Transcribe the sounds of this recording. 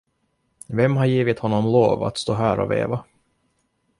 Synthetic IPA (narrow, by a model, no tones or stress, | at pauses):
vɛmːhaɾjiːvɪt̪hɔnːɔmloːva̰t̪st̪oːɦæːɾɔ̰vḛːva